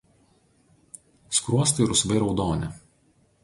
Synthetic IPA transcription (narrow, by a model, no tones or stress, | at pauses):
skɾuɔst̪ɐɪɾʊsʋɐɪɾɒʊd̪oːnʲɪ